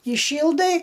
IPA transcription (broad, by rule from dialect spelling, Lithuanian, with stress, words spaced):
iːˈʃʲiːlˠdɐɪ